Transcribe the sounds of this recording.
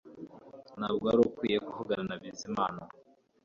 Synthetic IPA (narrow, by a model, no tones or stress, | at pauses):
nabɡwaɾukwijekuhuɡaɾanabizimaːna